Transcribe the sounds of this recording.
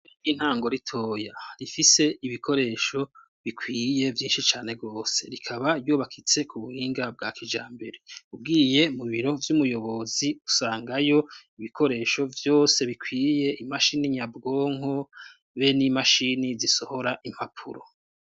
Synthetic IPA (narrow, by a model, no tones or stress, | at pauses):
iɡin̥haːŋɡo̞ɾitʰo̞ːjaɾifise̞iβikʰo̞ɾe̞ːʃo̞ | βikwiːje̞vjiːnʃit͡ʃaːne̞ɡɡo̞ːse̞̰ɾikʰaβaɾjuːβakʰit͡se̞kʰuβuhiːŋɡab̚ɡaːkʰid͡ʒaːmbe̞ɾe̞ub̚ɡiːje̞muβiɾo̞vjumujo̞βo̞ziusaːŋɡajo̞iβikʰo̞ɾe̞ːʃo̞vjo̞ːse̞βikʰwiːje̞imaʃiniɲabɡo̞ːŋɦo̞ | βenimaʃiniziso̞ho̞ɾaʔim̥hapʰṵɾo̰